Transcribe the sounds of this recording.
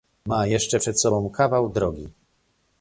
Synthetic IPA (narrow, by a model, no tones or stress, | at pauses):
majɛʂt͡ʂɛpʂɛt̪sɔbɔ̃w̃kavawd̪ɾɔɡʲi